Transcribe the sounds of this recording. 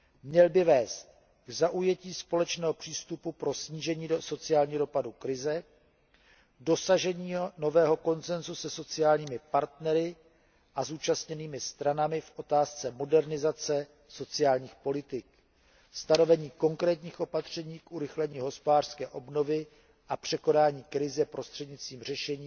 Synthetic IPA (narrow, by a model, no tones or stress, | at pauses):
mɲɛlbɪvɛːst̪̚ | ɡzaʔujɛciːspo̞lɛt͡ʃnɛːɦopr̝̥iːst̪upupɾo̞sɲiːʒɛɲiːso̞t͡sɪaːlɲiːdo̞padukɾɪzɛ | dosaʒɛɲiːno̞vɛːɦo̞ko̞nt͡sɛnzusɛso̞t͡sɪjaːlɲiːmɪpaɾt̪nɛɾɪ | ʔazuːt͡ʃast̪ɲɛniːmɪst̪ɾanamɪfʔo̞t̪aːst͡sɛmo̞dɛɾnɪzat͡sɛ | so̞t͡sɪaːlɲiːxpo̞lɪt̪ɪk | st̪ano̞vɛɲiːko̞ŋkɾɛːt̪ɲiːxʔo̞pat̪r̝̥ɛɲiːkʔuɾɪxlɛɲiːɦo̞spodaːr̥skɛːʔo̞bno̞vɪ | ʔapr̝̥ɛko̞naːɲiːkɾɪzɛpɾo̞st̪r̝̥ɛdɲɪt͡st̪viːmr̝ɛʃɛɲiː